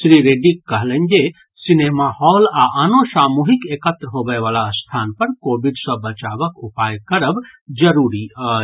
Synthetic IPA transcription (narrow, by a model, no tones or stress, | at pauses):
sɾiɾeɖikːəɦlə̃nd͡ʒe | sinemahɔːlaʔənoʃaːmuːɦikekət̪ɾəɦobəeʋaːlast̪ʰaːnpɐɾkoːbiɖsəbɐt͡ʃaʋəkupaːjkəɾəbd͡ʒəɾuːɾiə